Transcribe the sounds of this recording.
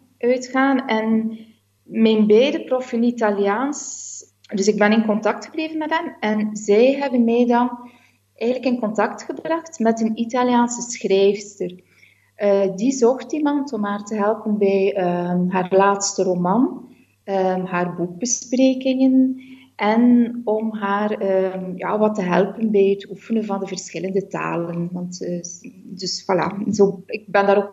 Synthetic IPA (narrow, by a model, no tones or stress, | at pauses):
ʔœɥtxaːnɛn | mɛnbɛjdəprɔfənitaljaːns | dɵsɪɡ̚bɛnɪnkɔntɑk̚txəbleːvənmɛtɦɛmɛnzɛjɦɛbənmɛːjdɑn | ʔɛːɣənləkɪnkɔntɑktxəbrɑxtmɛtənitaljaːnsəsxrɛjfstər | dizɔxtimɑntɔmɦaːrtəɦɛlˠpənbɛjəɦaːrlaːtstəromɑn | əɦaːrbuɡ̚bəspreːkɪŋən | ʔɛnɔmɦaːrəja̰ːʋɑtəɦɛlˠpənbɛjɦətufənənvɑndəvərsxɪləndəta̰ːlənʋɑntː | dɵswala̰ːzoːɪɡ̚bɛndaːɾop